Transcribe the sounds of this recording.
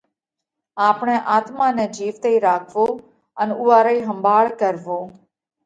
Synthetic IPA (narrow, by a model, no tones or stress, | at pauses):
aːpɳɛ̃ːʔaːt̪mãːnɛ̃ːd͡ʒiːʋt̪eːiːɾaːkʰʋoː | ənʊːaːɾaːiːɦəmbʱaːɭkəɾʋoː